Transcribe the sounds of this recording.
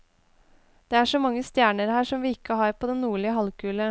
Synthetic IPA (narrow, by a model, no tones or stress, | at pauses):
d̪̥eːæʂɔmɑŋːəst̪jæːɳəɾhæːʂɔmʋiːɪkːəhɑːɾpʰoːd̪ɛnːuːɭɪəɦɑlkʰʉːlə